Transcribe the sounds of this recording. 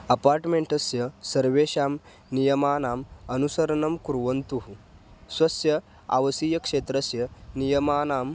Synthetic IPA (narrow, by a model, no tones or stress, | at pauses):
ɐpaːɾʈmẽɳʈɐsjɐsɐɾʋeɕaːm | nijɐmaːnaːmɐnusɐɾɐɳɐmkuɾʋɐnt̪uɦ | sʋɐsjɐ | a̰ʋɐsijɐkʂet̪ɾɐsjɐnijɐmaːnaːm